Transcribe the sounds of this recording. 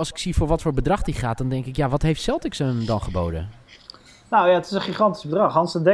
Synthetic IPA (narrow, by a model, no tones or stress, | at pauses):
lˠsɪ̥ksifoːɹʋɔtfoːɹbədrɑχdiχaːt̚dɔndɛŋkɪkjaʋɔtɦeftsɛlˠtɪksəndɔnχəbo̰wdə̰ | nowjaətɪsənχiχɑnti̥zbədrɑχɑnsədɛ